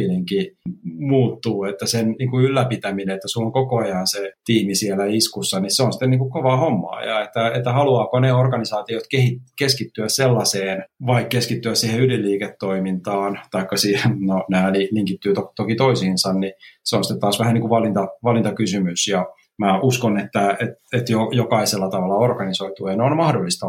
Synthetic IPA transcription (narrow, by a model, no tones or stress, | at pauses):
it̪eŋkimuːt̪ːuːet̪ːæsenniːŋkuylːæpit̪æmineet̪ːæsuloŋkokoɑjɑnset̪iːmisielæiskusːɑnisseonsi̥t̪ːeniːŋkukkoʋɑːhomːɑ̰ːjɑ̰et̪ːæet̪ːæhɑluɑːkoneorɡɑnisɑːt̪iot̪kehikeskit̪ːyæsselːɑseːnʋɑikkeskit̪ːyæssiːheylilːiːket̪ːoimint̪ɑːnt̪ɑikːɑsienonæːliliŋkit̪ːyːt̪okt̪okit̪oisiːnsɑnniseonsit̪et̪t̪ɑːsʋæhænniŋkuʋʋɑlint̪ɑʋɑlint̪ɑkysymysjɑ | mæʔuskonet̪ːæet̪et̪jojokɑiselːɑt̪ɑʋɑlːɑorɡɑnisoit̪ueineonmɑhdolːist̪ɑ